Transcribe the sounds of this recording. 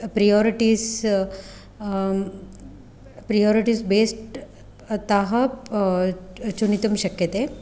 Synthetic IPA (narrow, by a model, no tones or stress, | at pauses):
pɾijɔːɾiʈiːs | pɾijɔːɾiʈiːsbeːsʈ | t̪aɦɐ | t͡ʃunit̪umʃɐkjɐt̪e